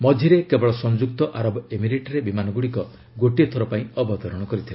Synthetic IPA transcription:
mɔdʱiɾekebɔɭɔsɔŋd͡ʒuk̚t̪ɔʔaɾɔbɔemiɾeʈɔɾebimanɔɡuɽikɔ | ɡoʈiet̪ʰɔɾɔpaĩɔbɔt̪ɔɾɔɽ̃ɔkɔɾit̪ʰila

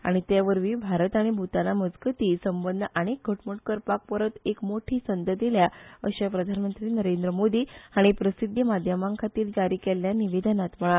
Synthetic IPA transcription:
a̰ɽ̃it̪jaʋəɾʋiːbʱaɾət̪aɽ̃ibʱut̪alaməd͡zɡət̪iːsəmbənd̪əʔaɽ̃ek̚ɡʱəʈməɳʈ̚kəɾpak̚pəɾət̪ekmoʈʰiːsənd̪əd̪ʱeljaə̰ɕapɾəd̪ʱanmənt̪ɾiːnəɾend̪ɾəmod̪iːaɽ̃ipɾəsid̪ʱjəmad̪ʱjəmãŋkʰat̪iːld͡zaɾiːkeljaniʋed̪ənat̪məɭal

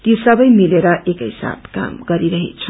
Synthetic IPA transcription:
t̪isʌbʌjmileɾʌʔekɦisa̰bka̰mɡʌɾiɾʌɦḛt͡sʰu

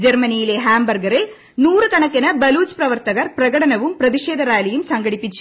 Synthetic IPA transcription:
d͡ʑermɐnijile̞ɦaːmbɐrɡɐre | nuːrɨkɐɳɐkːɐnɐbɐluːt͡ɕprɐʋɐrt̪ɐɣɐrprɐɣɐɽɐnɐʋumprɐðiʂeːd̪ʱɐɾaːjlɐjumsɐŋɡɐɽipːit͡ɕːu̥

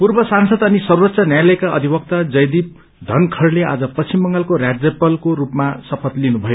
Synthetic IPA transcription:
purbʌsansʌd̪ʌnisʌrbʌt̪ːsʌnjajlʌekaʌ̰d̪ʱibʌk̚t̪ad͡zʌjd̪ip̚ | d̪ʱʌnkʰʌrlea̰d͡zʌpʌst͡ɕimːʌŋɡalkorad͡zjʌpʌlkoɾupmasʌpʰʌt̪linubʱʌjo

